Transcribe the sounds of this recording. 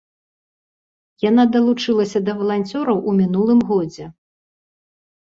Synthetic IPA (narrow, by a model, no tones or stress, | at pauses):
jan̪ad̪ɐlˠut͡ʂɨlˠɐsʲɐd̪ɐvɐlˠanʲt͡sʲɔɾɐwʔumʲinulˠɨmɣɔd͡zʲɛ